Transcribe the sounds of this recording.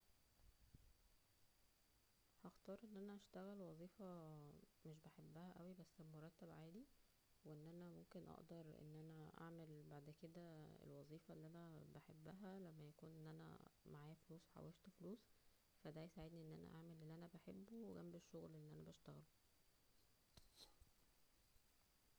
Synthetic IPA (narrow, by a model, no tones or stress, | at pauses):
hɑxt̪ɑːɾˤʔenːʔænæʔæʃt̪æɣælwɑzˤiːfɑ | meʃ̬baħebːæhæʔæwibæsːmoɾˤɑt̪ːæbʕaːli | weʔenːʔænæmomkenʔɑ̰ʔd̪ɑɾˤʔḛnːʔænæʔa̰ʕmelbaʕd̪ked̪æḛlwɑzˤiːfɑlːiʔænæbaħebːæɦælæmːæjækuːnʔenːʔænæ̰maʕaːjæfluːswħa̰weft̪fluːs | fæd̪æjsaʕed̪niʔenːʔæ̰næ̰ʔaʕmelʔelːiʔænæbaħebːuwɡæmbeʃːoɣlʔelːiʔænæbæʃt̪æɣælo